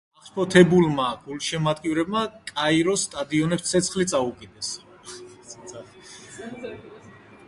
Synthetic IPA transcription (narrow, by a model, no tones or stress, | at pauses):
aχʃpʰɔt̪ʰɛbulmaɡulʃɛmad̪ɡivɾɛbmakʼaiɾɔst̪ʼad̪iɔnɛpssʰɛt̪sʰχlit̪sʼaukʼid̪ɛs